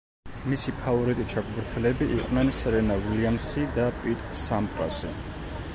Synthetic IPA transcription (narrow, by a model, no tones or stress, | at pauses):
misipʰavɔɾit̪ʼit͡ʃʰakʼbɾt̪ʰɛlɛbiʔiqʼwnɛnsɛɾɛnaviliamsid̪apʼit̪ʼsampʼɾa̰si